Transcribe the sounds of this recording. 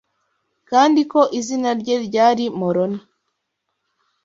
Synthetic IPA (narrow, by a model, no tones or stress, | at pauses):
kaːndiko̞ʔizinaɾɟe̞ɾɟaːɾimoɾona